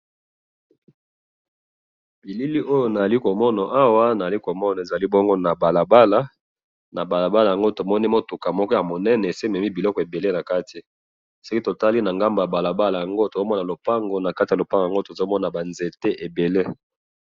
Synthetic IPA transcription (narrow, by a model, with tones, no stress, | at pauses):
bi˨li˦li˦ʔo˦jo˦na˨a˨li˦ko˨mɔ˦na˨ʔa˦wa˦na˨za˨li˦ko˨mɔ˦na˨e˨za˨li˦bɔ˦ŋɡo˦na˨ba˨la˨ba˦la˦ | na˨ba˨la˨ba˦la˨ja˨ŋɡo˦to˨mɔ˦ni˦mo˦tu˨ka˨mɔ˦kɔ˦ja˨mo˨nɛ˦nɛ˨se˦mɛ˨mi˦bi˨lɔ˦kɔ˨e˨be˨le˦na˨ka˦ti˨ | so˦ki˦to˨ta˦li˦na˨ŋɡa˦mba˨a˨ba˨la˨ba˦la˨ja˨ŋɡo˦to˨zo˦mɔ˦na˨lo˨pa˦ŋɡo˨na˨ka˦ti˨ja˨lo˨pa˦ŋɡa˨ŋɡo˦to˨zo˦mɔ˦n˨a˨ba˨nze˨te˦ʔe˨be˨le˦